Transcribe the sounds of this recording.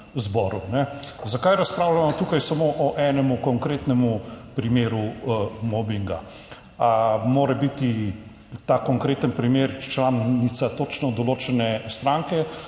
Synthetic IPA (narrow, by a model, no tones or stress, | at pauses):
zbɔːɾunɛzakajɾɐspɾaːwlamɔt̪ukajsamoʔɔʔɛnɛmukɔŋkɾet̪nɛmupɾimeːɾumɔbiŋɡa̰ | amoːɾɛbit̪i | t̪akɔŋkɾeːt̪ənpɾimeːɾt͡ʃlaːnnit̪sat̪ot͡ʃnɔd̪ɔloːt͡ʃɛnɛst̪ɾaŋkɛ